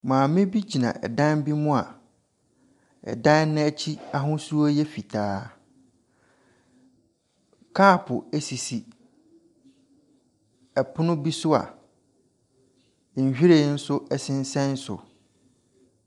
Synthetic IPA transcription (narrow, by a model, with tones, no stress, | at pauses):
mãː˨mɪ̃˦bi˦d͡ʑi˨nã̰˨ʔɛ̰˨dã˦nbi˦mʊ̃˦a̰˨ | ɛ̰˨dã˦n˦nɪ̃˦ɛ˦t͡ɕʰi˦a˦ɦʊ̃˦su˦ɾu˦o˦jɛ˦fi˨tʰaː˨˦ | kʰaː˦˨pʰʊ˨æ˨si˨si˨ | ɛ˨pʰʊ˦nʊ̃˦bi˦sʊ˦a̰˨ | ɲ̩˨ɕᶣi˦ɾe˨˦n̩˦sʊ˦ɛ˦sɪ̃˦n̩˦sɛ̃˦n˦sʊ̰˨